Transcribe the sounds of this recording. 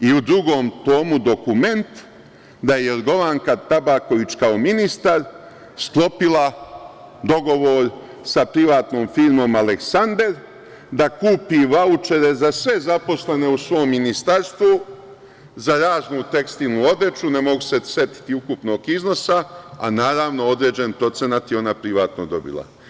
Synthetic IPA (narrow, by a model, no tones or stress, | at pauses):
iud̪ɾuɡo̞ːmt̪o̞ːmud̪o̞kume̞nt̪ | d̪ajeeɾɡo̞ʋaŋkat̪abako̞ʋit͡ʃkao̞minist̪aɾ | sklˠo̞pila | d̪o̞ɡo̞ʋo̞ːɾ | sapɾiʋaːt̪no̞ːmfiɾmo̞male̞ksand̪e̞ɾ | d̪akuːpiʋaut͡ʃe̞ɾe̞zasʋe̞zapo̞slene̞usʋo̞ːmːinist̪aɾst̪ʋu | zaɾaːznut̪e̞kst̪ilnuo̞d̪ɾe̞t͡ʃunemo̞ɡusese̞t̪i̥t̪iukupno̞ːɡizno̞saa̰naːɾaʋno̞o̞d̪ɾe̞ːd͡ʑe̞npɾo̞t̪se̞nat̪jeo̞napɾiʋaːt̪no̞d̪o̞̰bḭlˠa̰